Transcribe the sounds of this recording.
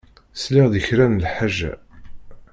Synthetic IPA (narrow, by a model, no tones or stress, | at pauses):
slɪʁðəçɾæmlħaʒːæ̰